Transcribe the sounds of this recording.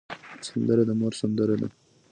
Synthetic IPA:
sand̪əɾed̪amoɾsand̪əɾad̪a̰

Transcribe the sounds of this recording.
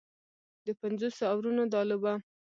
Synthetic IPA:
d̪əpanzosoawɾunod̪ɑlʊba

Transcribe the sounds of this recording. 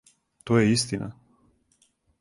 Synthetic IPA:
t̪ojɛist̪ina̰

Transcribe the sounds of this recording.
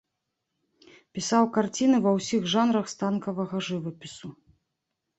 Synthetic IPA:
pʲisawkart͡sʲinɨvɐwsʲiɣʐanɾɐxst̪ankɐvɐɣɐʐɨvɨpʲisu

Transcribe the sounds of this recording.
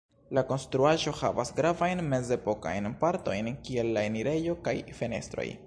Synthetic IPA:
lako̞nstɾuaʒo̞ha̰va̰sɡɾavajnme̞ze̞po̞ka̰jnpaɾto̞jnkie̞lːaeniɾe̞jo̞kajfe̞ne̞̰stɾo̞̰j

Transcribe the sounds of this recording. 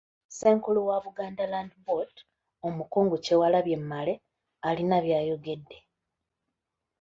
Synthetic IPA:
se̞ːŋkuluwaβuɡaːndalaːndibot | omukoːŋɡocewalaβje̞mːale̞ | alinaβjaːjo̞ɡe̞dːe̞

